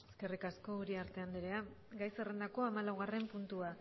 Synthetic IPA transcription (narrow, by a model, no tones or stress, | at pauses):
eskerikasko̞uɾiaɾt̪e̞and̪iɾe̞a | ɡajsere̞nd̪ako̞amalawɣare̞mpunt̪ua